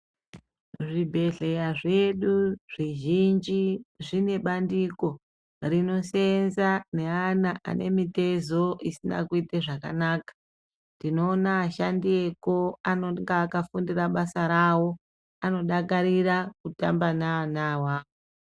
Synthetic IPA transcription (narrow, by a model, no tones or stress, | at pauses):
ʐibʱe̞ɮe̞jaʐe̞ɗuʐ̥iʒind͡ʒiʐine̞ɓandiko̞ | rino̞senzane̞anaʔa̰nʔe̞mite̞zo̞ʔisina̰kuiteʐaka̰naːkḁ | ndino̞ːnaːʃandie̞koanoŋɡaːkafundiraɓasaɾawo̞ | ano̞ɗakaɾirakutambanaːnawaːo